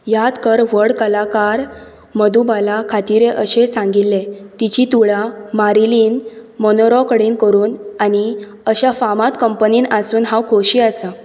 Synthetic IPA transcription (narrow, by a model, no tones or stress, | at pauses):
jat̪kəɾʋəɽkəlakaɾ | məd̪ubalakʰat̪iɾeʔəɕesãŋɡilːet̪it͡ɕit̪uɭamaɾiliːnmɔnoɾɔkəɽiːnkəɾuːnani | əɕafamat̪kəmpəniːnasuːnɦãwkʰoɕiasa